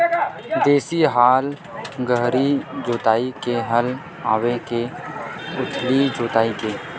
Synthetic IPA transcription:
d̪eːsiɦaːl | ɡəɦɾid͡ʒoːt̪aːikeɦəl | aːweke | ʊt̪ʰlid͡ʒoːt̪aːikeː

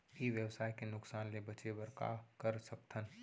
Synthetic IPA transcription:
iʋjəwsaːjkenʊksaːnlebɐt͡ʃewɐɾka̰kɐɾsɐp̚t̪ʰən

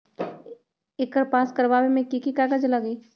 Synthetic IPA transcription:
ɪkəɾpaːskəɾʋaːwemẽkikikaɡəd͡ʒləɡiː

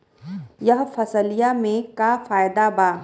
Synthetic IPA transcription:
jɐɦfɐsəlijamẽkafaːjd̪abaː

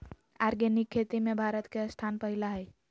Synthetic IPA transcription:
aɾɡenikʰːet̪imebʱaɾət̪keəst̪ʰanpəɦilaɦəj

